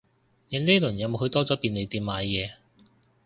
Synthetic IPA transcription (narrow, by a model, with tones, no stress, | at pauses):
ne˨˧˥neː˥lɵ˨˩njɐ˨˧wmo˨˧wɦɵ˧˥t̪ɔː˥t͡sɔː˨˥piː˧ne˨˧jt̪iː˧m̚maː˨˧jjɛː˨˧